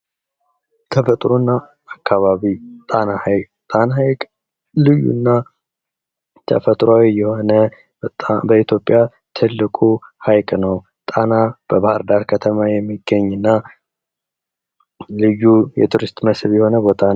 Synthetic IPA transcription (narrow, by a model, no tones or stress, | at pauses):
t̪ʰəfət̪ʼɾonːaː | kʰːaβaβit̪ʼanahajkʼ | t̪ʼanahajkʼ | lɨjːṵnːa | t̪ʰə̰fət̪ʼɾawijɛho̞nə | bət̪ʼabəit̪ʰjo̞pʼːja | t̪ʰɨlːɨkʼuhajkʼnəw | t̪ʼanab̥əβahɨɾd̪aɾkʰət̪ʰəmajɛmːiɡːəɲːɨnːa | lɨjːujɛ̰t̪ʰuɾist̪ʼməsβjɛho̞nəbo̞t̪ʰan